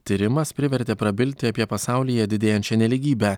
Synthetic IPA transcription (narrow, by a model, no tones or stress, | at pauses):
t̪ʲiɾʲɪmɐspʲɾʲɪʋʲɛɾʲd̪ʲeːpɾɐbʲɪlʲt̪ʲɪɐpʲiɛpɐsɑˑʊlʲijɛd̪ʲɪd̪ʲeːjɛnʲt͡ʃʲɛnʲɛlʲɪɡʲiːbʲɛ